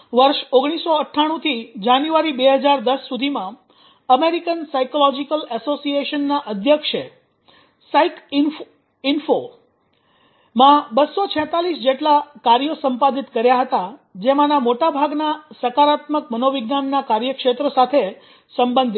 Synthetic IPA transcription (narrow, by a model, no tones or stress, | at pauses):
ʋəɾʃoɡɽ̃isoəʈʰːaɽ̃ũt̪ʰid͡ʒanjuʋaɾibeɦəd͡ʒaɾd̪əsːud̪ʱimã | əmeɾikənsajkolɔd͡ʒikəlesosieʃənːaʔəd̪ʱjəkʃe | saik | info | mãbəsːot͡ʃʰɛ̃t̪alisd͡ʒeʈlakaɾjosə̃mpad̪it̪kəɾjaɦət̪ad͡ʒemãnamoʈabʱaɡnasəkaɾat̪məkmənoʋɪɡnanːakaɾjəkʃet̪ɾəsat̪ʰe | səmbənd̪ʱ